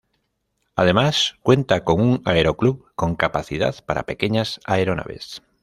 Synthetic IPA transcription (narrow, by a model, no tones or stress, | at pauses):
að̞e̞maskwẽ̞nt̪ako̞ŋuŋaeɾokluβkõ̞ŋkapaθiða̰ðpaɾa̰pe̞keɲasaeɾona̰βḛs